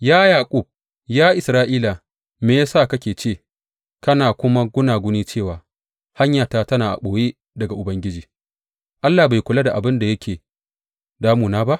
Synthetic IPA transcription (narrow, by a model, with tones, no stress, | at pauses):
jaː˦jaː˨kʷʼu˦˨b̚ | jaː˦ʔɪ˨sɾaː˦ʔiː˦la˨ | meː˨ja˦saː˦˨kɐ˦kʲeː˨t͡ʃeː˦˨ | kɐ˦naː˨kʷʊ˦ma˦ɡʷʊ˦naː˨ɡʷʊ˦niː˦t͡ʃeː˦˨waː˨ | ha˦ɲjaː˨taː˦tɐ˦naː˨ʔa̰˨ɓoː˨jeː˦ | dɐ˨ɡa˨ʔʊ˨bɐ˦ŋɡʲɪ˦d͡ʒiː˨ | ʔa˦lːaː˨ba˨jkʷʊ˨la˦da˨ʔa˨bɪ˦nda˨jɐ˦kʲeː˨ | daː˦muː˨naː˦ba˦ʔ